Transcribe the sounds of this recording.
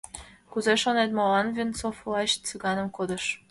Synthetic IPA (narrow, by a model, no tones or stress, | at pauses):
kuzeʃonet̪molɑnvʲint͡sofvlˠɑɕt͡sɨɣɑnə̆mkod̪ə̆ʃ